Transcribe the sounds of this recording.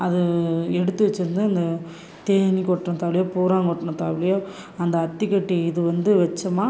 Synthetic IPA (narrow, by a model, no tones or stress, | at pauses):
ɐðɯɛɽɯt̪ːɯʋɛt͡ʃːɯɾɯnd̪ɯɐnd̪ɐ | t̪eːnikɔʈːɳɐ̃t̪aːʋɪɭɪjoːpuːɾaːŋkɔʈːɐɳɐ̃t̪aːʋɪɭɐjoː | ɐnd̪ɐːt̪ːikːɐʈːiɪðɯʋɐnd̪ɯʋɛt͡ʃːɐmaː